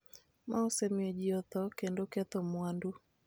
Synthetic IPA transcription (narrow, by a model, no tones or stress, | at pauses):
mʔaosemɔd͡ʒiɔt̪ɔkendokɛt̪ɔmwandu